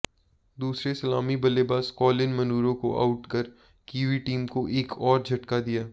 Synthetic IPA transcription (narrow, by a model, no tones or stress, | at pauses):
d̪uːsɾesɐlaːmibɐlebaːskɔːlɪnmɐnuːɾõko̰ʔa̰ːʊʈkɐɾ | kiːʋiʈiːmkoʔeːkʰɔːɾd͡ʒʱɐʈkad̪ijaː